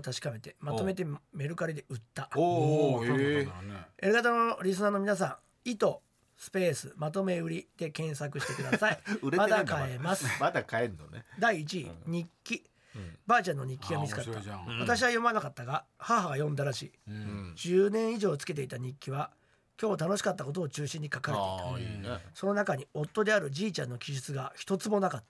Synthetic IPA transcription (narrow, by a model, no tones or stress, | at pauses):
t̪aɕi̥kabe̞t̪e̞mat̪o̞me̞t̪̬e̞me̞ɾɯ̟kaɾʲid̪e̞ɯ̟t̪ːa | eɾɯ̟ɡat̪anoɾʲis̬ɨnaːno̞mʲinas̬ã | it̪o̞ | sɨ̥pe̞ːsɨ̰mat̪̬o̞me̞ɯ̟ɾʲid̪̥e̞kẽ̞ɰ̃sakɯ̟ɕi̥t̪e̞kɯ̟d̪a̰saiɯɾemad̪akae̞masɨmad̪akaeɾnoned̪aiːt͡ɕiɲ̟ikʲːi | baːt͡ɕãnːo̞ɲ̟ikʲːiɡamʲit͡sɨ̥kat̪ːβat̪aɕ̬iβajo̞manakat̪ːaɡahaɦaɡajõ̞nd̪aɾaɕḭːd͡ʑɨːnẽ̞ɰ̃iʑo̞ːt͡sɨ̥ke̞t̪̬e̞it̪aɲ̟ikʲːiβa | kʲo̞ːt̪ano̞ɕi̥kat̪ːako̞t̪oːt͡ɕɨːɕĩɲ̟ːikakaɾeeitaso̞no̞nakaɲ̟io̞t̪ːo̞d̪e̞aɾɯ̟d͡ʑiːt͡ɕã̰nːo̞kʲiʑɨt͡sɨɡaçi̥t̪o̞t͡sɨmo̞nakat̪ː